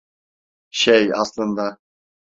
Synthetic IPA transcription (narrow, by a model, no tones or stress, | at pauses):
ʃæjɑ̰slˠɤ̆nd̪ɑ